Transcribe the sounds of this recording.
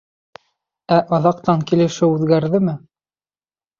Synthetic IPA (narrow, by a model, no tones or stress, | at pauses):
æʔɑðɑq̚t̪ɑŋkilɘ̆ʃɘʉðɡæɾðɘmɘ